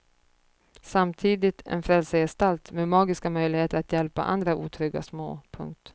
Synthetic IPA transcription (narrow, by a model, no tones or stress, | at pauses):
samt̪ʰiːd̪ɪt̪ʰɛ̰nfɾɛlsəjɛst̪alt̪meːmɑːɡɪskamœjlɪɡheːt̪əɾat̪jɛlpa̰ʔa̰nd̪ɾaʔuːt̪ʰɾʏɡa̰smo̰ːpʰɵ̰ŋk̚t̪